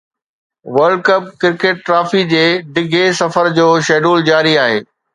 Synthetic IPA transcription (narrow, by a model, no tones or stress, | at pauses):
ʋɐɾɖkɐp̚kɪɾkeːʈ̚ːɾaːfid͡ʑeːɖɪɡʱesɐfəɾd͡ʑoːʃɛːɖuːld͡ʑaːɾiaːɦḛː